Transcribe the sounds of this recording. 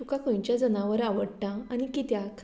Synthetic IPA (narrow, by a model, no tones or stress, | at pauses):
ukakʰõjt͡ɕjad͡zənãʋəɾaʋəɽt̪ãañikit̪jakʰ